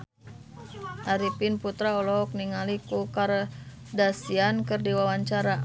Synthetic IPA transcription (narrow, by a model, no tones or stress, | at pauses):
ʔaɾipinput̪ɾaɔlɔɦɔk̚niŋalikukar | dasiankɨrdiwawaɲt͡ʃaɾa